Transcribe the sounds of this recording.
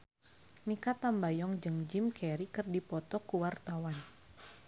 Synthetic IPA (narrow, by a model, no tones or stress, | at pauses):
mikat̪ambajɔŋd͡ʒɨŋd͡ʒimkʰɛɾikɨrdipɔt̪ɔkuwart̪awan